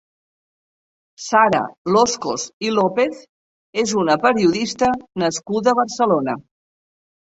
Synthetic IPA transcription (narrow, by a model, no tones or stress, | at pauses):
saɾə̰losko̰silopeθ | ezunəpəɾiuðist̪ənəskuðəβəɾsəlonə